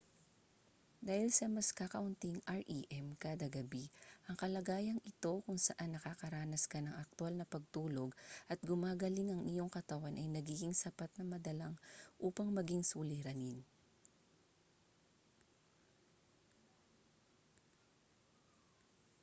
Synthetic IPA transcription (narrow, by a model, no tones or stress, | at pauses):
d̪aːhɪlsɐmɐskakɐʔʊnt̪iŋʔɐɹʔiʔɛmkaːd̪ɐɡɐbiʔɐŋkɐlɐɡaːjɐŋʔɪt̪o̞kʊŋsɐʔanːɐkakɐɾaːnɐskɐnɐŋʔɐk̚t̪ʊalnɐpɐɡ̚t̪uːlo̞ɡʔɐt̪̚ɡʊmaːɡɐlɪŋɐŋʔɪjo̞ŋkɐt̪ɐwanʔɐjnɐɡiːɡɪŋsɐpat̪̚nɐmɐd̪ɐlaŋʔuːpɐŋmɐɡɪŋsuːlɪɾɐnin